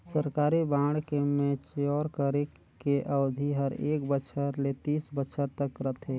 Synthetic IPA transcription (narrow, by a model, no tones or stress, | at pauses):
səɾkaːɾibãːɽkemẽt͡ʃjɔːɾkəɾekː | eʔəwd̪ʱiɦəɾeːkbəʃʰəɾlet̪iːsbəʃʰəɾt̪əkɾət̪ʰɦeː